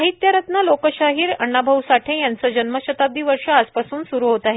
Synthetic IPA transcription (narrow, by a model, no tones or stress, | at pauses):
ɦit̪jaɾət̪nalokəɕaɦiːɾə̰ɳːabʱəwsaʈʰẽjant͡səd͡ʑənməɕət̪ab̚d̪ʱiːʋəɾʂəaspasuːnsuɾuːɦot̪aɦe